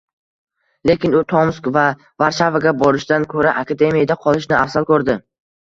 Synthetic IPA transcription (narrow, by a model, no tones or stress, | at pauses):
le̞kʲɪnʊt̪ʰomskva | vaɾʃavaɡʲabɒɾɪʃd̪ankʰɵɾaʔakʰad̪e̞mijad̪aqʰɒlˠɪʃnɪafsalˠkʰɵɾd̪ɪ